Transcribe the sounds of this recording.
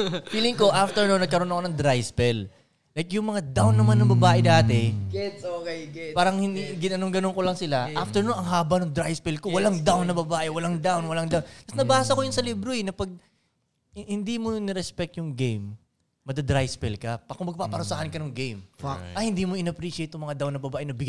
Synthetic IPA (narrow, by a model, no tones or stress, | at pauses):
wiːlɪŋko̞ʔaft̪ɛɹnonɐɡ̚kɐɾo̞nɐkonɐŋd̪ɾajspɛl | lɐjkjʊŋmɐŋad̪awnːɐmanːɐŋbɐbaːʔɛd̪aːt̪ɛɡɛokpaːɾɐŋhɪniɡɪnɐnoŋɡɐnoŋkolɐŋsɪlaaft̪ɛɹnonɐŋɦaːbɐnoŋd̪ɾajspɛlkowɐlaŋd̪awnːɐbɐbaːʔɛwɐlaŋd̪awnwɐlaŋd̪awnt̪ɐsnɐbaːsɐkojʊnsɐliːbɾoɛnɐpɐɡ̚ | hɪnd̪iːmonɛɾɛspɛk̚t̪jʊŋɡejm | mɐd̪ɐd̪ɾajspɛlkɐpɐkɐmɐɡ̚paːpɐɾʊsaːhɐnkɐnʊŋɡejmʔɐhɪnd̪iːmoɪnɐpɾiːʃɪejt̪ːʊŋmɐŋad̪awnɐbɐbaːʔɛnɐbɪɡ